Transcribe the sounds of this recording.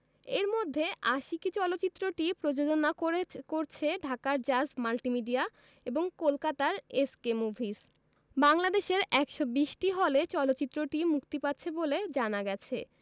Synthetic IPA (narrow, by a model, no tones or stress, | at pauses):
eɾmod̪ʱːeʔaʃikit͡ɕɔlotːt͡ɕit̪ːɾoʈipɾod͡ʑod͡ʑonakoekoɾt͡ɕʰeɖʱakaɾd͡ʑasmalʈimiɖia | eboŋkolkat̪aɾeskemubʱis | baŋlad̪eʃeɾɛkʃobiʃʈiɦɔlet͡ɕɔlotːt͡ɕit̪ːɾoʈimukt̪ipatːɕʰeboled͡ʑanaɡɛt͡ɕʰe